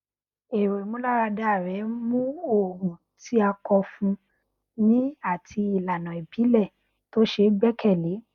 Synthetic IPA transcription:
e˨ɾe˨mũ˨˦la˦ɾa˧da˦a˦˨ɾɛ˨˦mũ˦o˨mũ˨ | ti˨˦a˧kɔ˧fũ˧ | nĩ˦a˦˨tʰi˧i˨la˨nã˨e˨bi˨˦lɛ˦˨ | to˦ʃe˧˦ɡ͡bɛ˦kʰɛ˦˨le˨˦

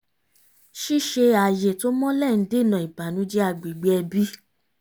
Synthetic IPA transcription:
ʃi˦˨ʃe˧a˨je˨to˦mɔ̃˦lɛ˦˨n̩˦de˦˨nã˨i˨ba˨nũ˨˦d͡ʒɛ˦a˧˨ɡ͡bi˨ɡ͡be˦ɛ˧bi˦

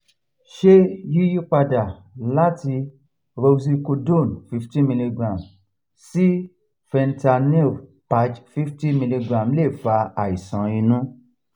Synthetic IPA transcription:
ʃe˦ji˦ji˦k͡pa˧da˨ | la˦ti˧ | ɾo˧si˧ko˧dõ˦˨nfi˦fti˦mi˧li˧ɡɾã˨m | si˦ | fɛ˧nta˧ni˦˨pa˨˦d͡ʒfi˦fti˦mĩ˧li˧ɡɾã˨mle˦˨fa˧a˨i˨sã˨˦ĩ˧nũ˦

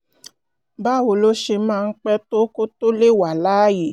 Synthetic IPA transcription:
ba˦˨wo˨lo˦ʃe˧˦mãː˦˧n̩˦k͡pɛ˦to˦ko˦to˦le˦˨wa˨la˦je˦˨

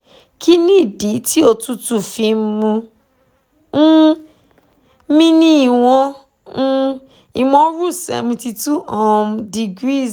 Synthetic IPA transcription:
ki˦nĩ˦˨di˨˦ti˦o˧tu˦tu˦˨fi˧˦mũ˧˦ | mĩ˦nĩ˦i˨w̃ɔ̃˧˦ | i˨mɔ̃˧˦ɾu˦˨sɛ̰˨vĩ˧ti˧tu˦ɔ˨mdi˧ɡɾi˦˨

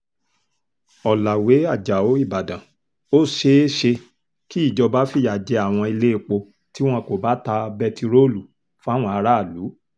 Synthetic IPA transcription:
ɔ˨la˨we˨˦a˦˨d͡ʒa˨o˨˦i˦˨ba˨dã˨ | o˦ʃe˧˦ʃe˧ | ki˦i˦˨d͡ʒɔ˧ba˨˦fi˦˨ja˨d͡ʒɛ˨˧˦a˦˨w̃ɔ̃˧i˧le˦e˦˨k͡po˧ | ti˦w̃ɔ̃˦ko˨ba˦ta˧bɛ˧ti˧ɾo˦˨lu˨ | fa˦˨w̃ɔ̃˧a˧ɾa˦˨lu˨˦

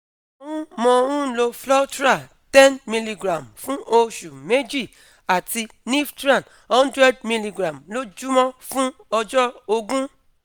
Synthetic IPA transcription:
o˦wũ˦mɔ̃˧o˧wũ˦lo˧flɔ˦tɾa˦˨ | tɛ̃˦nmĩ˧li˧ɡɾã˨mfũ˦o˧ʃu˨me˦d͡ʒi˦˨ | a˨ti˧ | nĩ˦ftɾã˦˨n | hɔ̃˦ndɾɛ˦d̚mĩ˧li˧ɡɾã˨mlo˦d͡ʒu˦mɔ̃˦fũ˦ɔ˧d͡ʒɔ˦o˧ɡũ˦

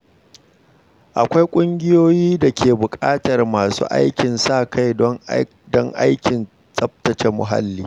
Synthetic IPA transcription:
ʔa˨kʷa˦jkʷʼʊ˦ŋɡʲɪ˦joː˦jiː˦da˨kʲʰeː˨bʊ˨kʼa̰ː˦tɐ˨rmaː˨sṵː˦ʔa̰˦jkʲɪ˨nsaː˦˨kʰa˦j | dɔ˦ŋʔa̰˦jkʲɪ˨n | sʼɐ˦b̚tɐ˨t͡ʃe˨mʊ̰˨ɦa̰˦lːiː˦

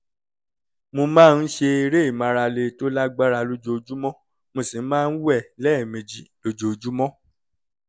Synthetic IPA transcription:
mo˧mãː˦˧n̩˦ʃe˧i˧ɾe˦i˦˨mã˨˧ɾa˧le˧to˦la˦ɡ͡ba˦ɾa˧lo˦d͡ʒo˧o˧d͡ʒu˦mɔ̃˦ | mo˧si˨˦mãː˦˧n̩˦wɛ˦˨lɛ˦˨mẽ˨d͡ʒi˨lo˦d͡ʒo˨˧˨d͡ʒu˦mɔ̃˦

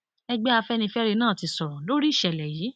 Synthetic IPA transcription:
ɛ˧ɡ͡bɛ˦a˧fɛ˦nĩ˧fɛ˦ɾe˧nãː˦˨ti˧sɔ˨lo˦ɾi˦˨ʃɛ˨lɛ˨jiː˨˦

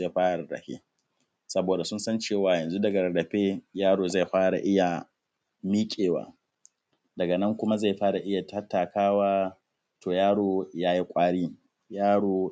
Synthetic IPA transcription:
a˦ɸaː˦ɽa˨ɽɾɐ̰˨ɸḭː˦ | sɐ˦boː˨da˨sʊ˦nsɐ˦nt͡ʃeː˦˨waː˨jɐ˨nzu˦dɐ˨ɡɐ˨ɾɐ˨ɽɐ˨ɸeː˦jaː˦ɽoː˨za˦˨jɸaː˦ɽa̰˨ʔɪ˦ja˨ | miː˦kʲʼeː˨wa̰ː˦ | dɐ˨ɡɐ˨nɐ˦ŋkʷʊ˦ma˦za˦˨ɸaː˦ɽa˨ʔɪ˦ja˨tɐ˦tːaː˨kaː˦waː˦ | toː˨jaː˦ɽoː˨jaː˦ji˦kʷʼaː˦ɽiː˦ | jaː˦ɽoː˨

